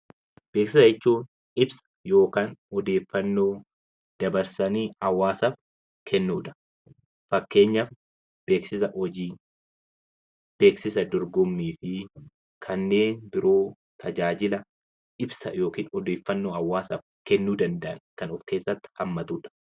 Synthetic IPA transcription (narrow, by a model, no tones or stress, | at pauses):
b̥e̞ːksɪsɐɪt͡ʃːuːn | ɪbsɐ̥jo̞ːkaːnɔd̪e̞ːfːɐnːo̞ː | d̪̥ɐbɐɾsɐniːɐwːaːsɐf | kʰɛnːuːᶑɐ̥ | fɐkːe̞ːɲːɐf | b̥e̞ːksɪsɐhɔd͡ʒiː | b̥e̞ːksɪsɐd̪ɔɾɡʊmːiːfɪ | kʰɐnːe̞ːnd̪ɪɾoː | t̪ʰɐd͡ʒaːd͡ʒɪlɐ | ʔɪbsɐjo̞ːkiːnɔd̪e̞ːfːɐnːo̞ːɐwːaːsɐf | kɛnːuːd̪ɐnd̪ɐʔɐnkɐnɔfke̞ːsːɐt̪ːɪ̥hɐmːɐt̪uːᶑɐ̥